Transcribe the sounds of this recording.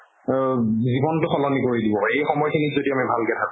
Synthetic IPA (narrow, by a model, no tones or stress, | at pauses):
zibɔntʊxɔlɔnikoɹidibɔɦajejxɔmɔjkʰinitzodiamibʱalkɛtʰakʊ̃